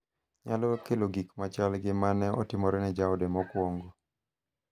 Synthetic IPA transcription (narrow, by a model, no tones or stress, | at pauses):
ɲalɔkeloɡikmat͡ʃalɡɪmanɛɔ̰tɪmɔɾɛnɛd͡ʒaɔdemɔkwoŋɡo